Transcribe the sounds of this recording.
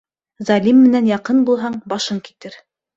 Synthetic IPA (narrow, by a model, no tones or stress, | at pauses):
zɑlʲimːɘ̆nænjɑqɤnbulˠɦɑɴbɑʃɤŋki̥t̪ɘɾ